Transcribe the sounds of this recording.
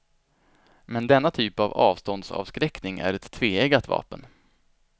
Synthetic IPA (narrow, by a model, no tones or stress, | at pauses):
mɛnd̪ɛnːat̪ʰyːpavɑ̰ːvst̪ɔnd̪sɑ̰ːvskɾɛknɪŋæ̰ɾɛt̪ʰːveːɛɡat̪vɑ̰ːpən